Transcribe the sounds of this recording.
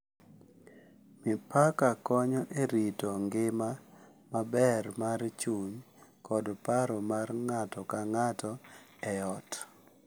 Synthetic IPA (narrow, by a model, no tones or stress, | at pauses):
mɪpakakɔɲɔʔeɾitɔŋɡɪma | mabɛrmart͡ʃuɲ | kɔdpaɾɔmarŋatɔkaŋatɔ | ɛɔt